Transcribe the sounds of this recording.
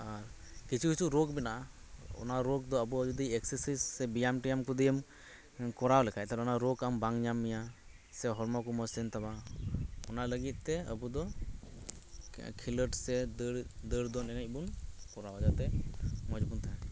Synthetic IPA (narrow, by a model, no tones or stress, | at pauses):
aɾkit͡ʃʰikusuɾok̚binaʔa | ɔ̰naɾok̚d̪ɔəbuɔd͡ʒud̪iɛksəɾsisːɛbijamʈijamkud̪ijəm | kɔɾawlɛkʰaɛt̪aɾɛɔnaɾokambaŋɲamːija | sɛɦɔɾmɔkumɔsint̪aba | ɔ̰naləɡit̪̚ˀt̪ɛə̰bud̪ɔ | kʰiləʈsɛd̪əɽd̪əɽd̪ɔnɛnabunkɔɾawd͡ʒat̪ɛmɔd͡ʒbunt̪ʰaɛ